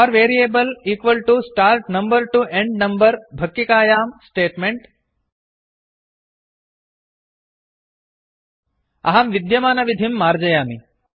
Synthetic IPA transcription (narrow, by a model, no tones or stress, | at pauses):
ɔːɾʋeːɾieːbɐliːkʋɐlʈusʈaːɾʈnɐ̃mbɐɾʈuʔẽɳɖnɐmbɐɾbʱɐkːikaːjaːmsʈeːʈmeɳʈ | ɐ̰ɦɐmʋid̪jɐmaːnɐʋid̪ʱimːaːɾd͡ʒɐjaːmi